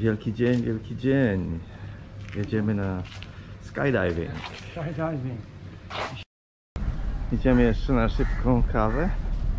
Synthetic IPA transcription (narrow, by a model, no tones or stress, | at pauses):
vʲjɛlkʲid͡ʑɛɲvʲjɛlkʲid͡ʑɛɲ | jɛd͡ʑɛmɘna | ska̰jd̪ajvḭŋkajdajviŋ | jid͡ʑɛmɨjɛʂt͡ʂɛnaʂɪpkɔ̃kʰavɛ